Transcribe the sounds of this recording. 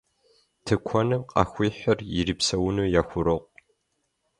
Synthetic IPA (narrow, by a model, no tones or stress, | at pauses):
tʰɨkʷʰɔnɨmqʼɑ̰ːxʷiːħʷɐrjɪɾiːpsɐwʊnɨːjaːxʷʊɾɨqʷ